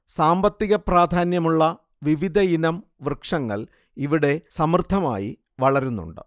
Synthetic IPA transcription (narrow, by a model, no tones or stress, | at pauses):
saːmbɐt̪ːiɣɐpraːd̪ʱaːnjɐmuɭːɐ | ʋiʋid̪ʱɐinɐmʋrɨkʂɐŋːɐ̰ɭ | iʋiɽe̞sɐmrd̪ʱːɐma̰ːjḭ | ʋɐɭɐɾunːṵɳɖɨ̰